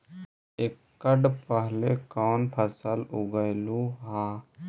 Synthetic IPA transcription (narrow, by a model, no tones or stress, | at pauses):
ekːəɖpəɦlekawnpʰəsəluɡəjluɦã